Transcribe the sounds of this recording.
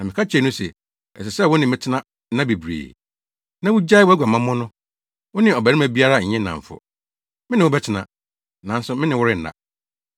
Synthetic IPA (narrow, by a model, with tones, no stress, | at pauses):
nã˨mɪ̃˨kʰa˦t͡ɕʰᶣɛ˨nʊ̃˦sɛ̰˨ | ɛ̰˨s̬ɛ˨sɛ˦˨wʊ˦nɪ̃˨mɪ̃˦tʰɪ˦nã˦ | nã˦bi˨bɾḛː˨ | nã˦wʊ˦d͡ʑa˦wæ˦ɡʷa˨mã˦mɔ̃˦nʊ̃˦ | wʊ˦nɪ̃˦ɔ˨bæ˨ɾi˦mã˦bi˦a˦ɾa˦˨ɪ̃˦nːã̰˨ɱ̩˨fʊ̰˨ | mɪ̃˦nɪ̃˨wʊ˦bɛ˦t͡ɕʰɪ˨nã̰˨ | nã˨n̩˦sʊ˦mɪ̃˦nɪ̃˨wʊ˦ɾɪ˦n̩˨da̰˦